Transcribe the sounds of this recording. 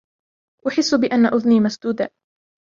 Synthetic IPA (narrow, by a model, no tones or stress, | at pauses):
ʔʊħɪsːʊbɪʔanːaʔʊðniːmasd̪uːd̪a